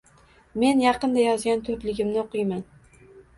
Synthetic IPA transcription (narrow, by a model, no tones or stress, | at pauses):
me̞njɑqɨnd̪ajɒzɡʲant̪ʰʊɾlɪɡʲɪmnɪoqʰɨjman